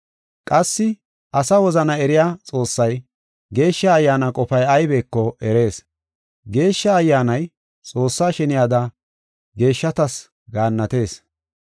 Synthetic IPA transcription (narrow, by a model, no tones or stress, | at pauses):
kʼɐsːɪ | ɐsɐwɔzɐnɐɛɾɪjaːt͡sʼo̞ːsːɐj | ɡe̞ːʃːɐːjːaːnɐkʼɔpɐjɐjbeːkːɔɛɾe̞ːs | ɡe̞ːʃːɐːjːaːnɐj | t͡sʼo̞ːsːaːʃɛnɪjaːd̪ɐ | ɡe̞ːʃːɐt̪ɐs | ɡaːnːɐt̪e̞ːs